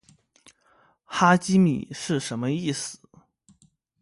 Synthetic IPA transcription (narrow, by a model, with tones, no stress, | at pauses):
xa˥t͡ɕi˥mḭ˨˩ʂɻ̩˥˩ʂə˧˥nmə˧i˥˩sɹ̩˨˩˦